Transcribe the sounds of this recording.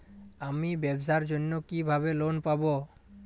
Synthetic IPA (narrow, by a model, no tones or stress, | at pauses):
amibɛbsaɾd͡ʑonːokibʱaβelonpabo